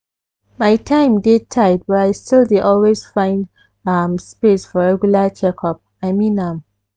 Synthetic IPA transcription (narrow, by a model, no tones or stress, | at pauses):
maɪtʰãɪ̃mdetʰaɪd̚bataɪstildeʔɔlwez̥fãɪ̃nd | amspesfɔɹɛɡjulat͡ʃɛkʰɔp̚ | aɪmĩnãm